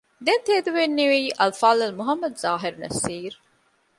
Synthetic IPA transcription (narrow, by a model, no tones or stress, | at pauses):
d̪ent̪eːd̪uʋenːiʋeiːʔɐlfaːlɐlmuɦɐmːɐd̪zaːɦiɾnɐ̰siːɾ